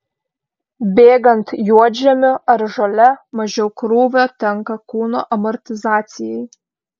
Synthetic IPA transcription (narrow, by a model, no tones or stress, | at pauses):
bʲeːɡɐnt̪juɔd͡ʒʲɛmʲʊɐɾʒɐlʲɛmɐʒʲɛʊkɾuːʋʲot̪ʲɛŋkɐkuːnoːʔɐmɔɾʲt̪ʲɪzɑːt̪sʲɪjɛɪj